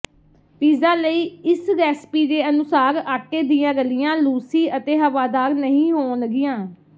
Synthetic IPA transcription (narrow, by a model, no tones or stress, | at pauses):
piːzãːləiːɪsɾɛːspiːd̪eːənʊsaːɾaːʈeːd̪iːjãːɡəlɪjãːluːsiːət̪eːɦəʋaːd̪aːɾnəɦĩːɦoːnɡɪjãː